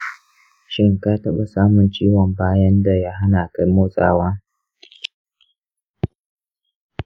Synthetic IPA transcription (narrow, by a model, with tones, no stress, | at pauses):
ʃɪ˦ŋka˦tɐ˦ɓa˨saː˦mʊ˨nt͡ʃiː˦wɔ˨mbaː˦jɐ˦nda˨ja˦ɦa˦naː˨ka˦jmoː˦sʼaː˦waː˦